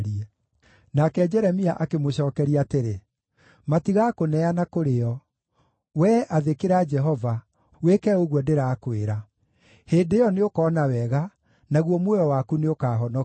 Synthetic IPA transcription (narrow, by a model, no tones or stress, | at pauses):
ɾiɛ | nakɛd͡ʒɛɾɛmiaʔakemoɕɔːkɛɾiateɾe | matiɣakonɛanakoɾeɔ | wɛʔaðekeɾad͡ʒɛɦɔva | wekɛoɣwɔdeɾaːkoeɾa | heːndejɔneokɔːnawɛɣa | naɣwɔmwɛjɔwakuneokaːɦɔnɔ